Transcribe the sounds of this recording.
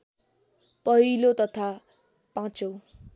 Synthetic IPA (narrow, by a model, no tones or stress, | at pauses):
pʌɦilot̪ʌt̪ʰa | pãt͡so